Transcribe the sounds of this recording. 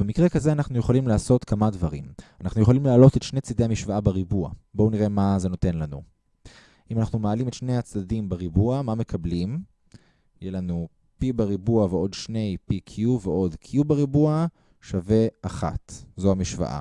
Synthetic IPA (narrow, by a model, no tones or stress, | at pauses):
be̞mikʁekazeanaχnujeχolimlaːso̞t̪kamadvaʁimanaχnujeχolimlealo̞t̪etʃnet͡sid̪e̞jamiʃvaabeʁibua̰bouniʁe̞maze̞no̞te̞nlanu | ʔimanaχnumeːlimetʃne̞jat͡sdadimbeʁibuamame̞kablim | jelanu | pibeʁibuaveo̞dʃne̞jpikʰijuveo̞dkʰjubeʁibua | ʃave̞aχa̰t̪zoamiʃva̰ʔa̰